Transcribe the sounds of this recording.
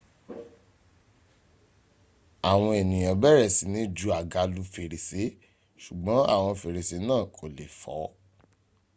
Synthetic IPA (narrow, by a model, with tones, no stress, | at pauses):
a˨w̃ɔ̃˧e˨nĩ˨j̃ã˨bɛ˦ɾɛ˦˨si˨˦nĩ˦d͡ʒu˧˦a˨ɡa˧˦lu˧˦fe˨ɾe˨se˨˦ | ʃu˨ɡ͡bɔ̃˨˦a̰˦˨w̃ɔ̃˧fe˨ɾe˨se˨˦nãː˦˨kʰo˨le˨fɔ̰˨˦